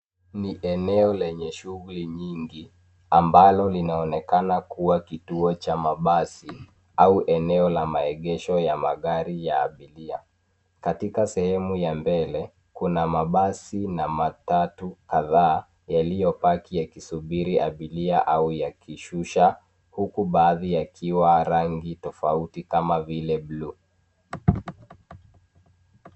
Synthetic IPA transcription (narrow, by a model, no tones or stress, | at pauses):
niʔɛnɛɔlɛɲɛʃuɣuliɲiŋɡi | ambalɔlinaɔnɛkanakuwakituɔt͡ʃamaɓasi | auʔɛnɛɔlamaɛɠɛʃɔjamaɠaɾija̰ːɓilia | katikasɛhɛmujambɛlɛ | kunamaɓasinamatatukaðaː | jalijɔpakijakisuɓiɾiʔaɓiliaʔaujakiʃuʃa | hukuɓaːðijakʰiwaɾaŋɡitɔfautikamavilɛɓlu